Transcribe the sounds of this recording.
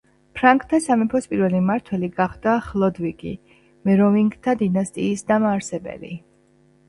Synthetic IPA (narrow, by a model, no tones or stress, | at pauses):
pʰɾaŋkʼt̪ʰːasamɛpʰɔspʼiɾvɛlimaɾt̪ʰwɛliɡaχd̪̥aχlˠɔd̪viɡḭ | mɛɾɔviŋɡt̪ʰad̪inast̪ʼiːsd̪amaːɾsɛbɛ̰lḭ